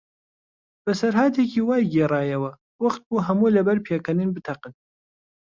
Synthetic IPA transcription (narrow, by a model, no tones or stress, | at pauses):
b̥ɐsɐɾɦaːt̪ʰekiːwaːjɡeːrɑːjɐwɐ | wɐχt̪̚buːɦɐmuːlɐbɐɾpʰeːkʰɐnɨnbɨt̪ʰɐqɨn